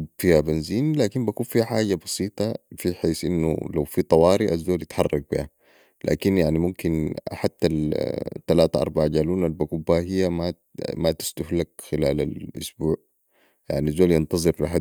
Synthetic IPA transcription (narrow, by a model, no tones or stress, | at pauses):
fihabanziːnlaːkimbakuːnfiħaːɟabɑsiːt̪ˤɑfiħeːsʔinːṵlawfit̪ˤɑwɑːɾiʔazːoːljɪt̪ħɑrˤːɑɡ̚bḭha | la̰ːkinjaʕnimumkinħat̪ːalt̪ːalaːt̪aʔɑ̰ɾˤbaʕɟaːluːnalbakubahijːama | mat̪ɪ̥st̪ʊhlakxilaːla̰lʔʊ̰sbuːʕ | ja̰ʕniazːoːljɪnt̪ɑzˤɨɾliɦa